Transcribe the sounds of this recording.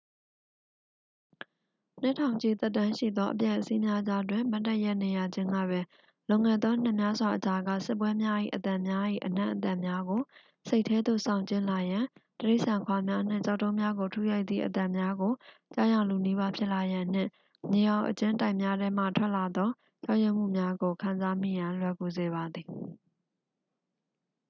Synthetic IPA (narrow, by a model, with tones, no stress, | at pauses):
n̥ɪ̃˦˨tʰã˨ʊ̃ɲt͡ɕi˨t̪ɛ˦t̬ːã˦ʃḭ˦˨d̪ɔ˦ʔəpjɛ˦˨ʔəsi˦mja˦d͡ʑa˦t̬wɪ̃˨ma˦tːɛ˦ʔjɛ˦ʔne˨ja˨d͡ʑɪ̃˦ŋɡä̰˦˨bɛ˦ | lõ˨ŋɛ˨d̪ðɔ˦n̥ɪ̃˦˨mja˦zwa˨ʔət͡ɕa˨ɡa̰˦˨sɪ˦p̬ːwɛ˦mja˦ʔḭ˦˨ʔət̪ã˨mja˦ʔḭ˦˨ʔən̥ã̰˦˨ʔət̪ã˦˨mja˦ɡo˨ | se˦ɪʔtʰːɛ˦d̪o̰˦˨sã˨ʊ̃ɲt͡ɕɪ̃˦˨la˨jã˨təɹe˦ɪʔsã˨kʰwa˨mja˦n̥ɪ̰̃˦˨t͡ɕa˦ʊtːõ˦ʊ̃mja˦ɡo˨tʰu˦ja˦ɪt̪ðḭ˦˨ʔət̪ã˨mja˦ɡo˨ | t͡ɕa˦jã˨lu˨ni˦βa˦pʰjɪ˦ʔla˨jã˨n̥ɪ̰̃˦˨ | ɲe˨jã˨ʊ̃ʔət͡ɕɪ̃˦tã˦ɪ̃mja˦ɾɛ˦m̥a̰˦˨tʰwɛ˦ʔla˨d̪ɔ˦ | t͡ɕa˦ʔjɛ̃˦˨m̥ṵ˦˨mja˦ɡo˨kʰã˨nza˦m̥ḭ˦˨jã˨lwɛ˨ɡo˨ze˨βa˨d̪ði˨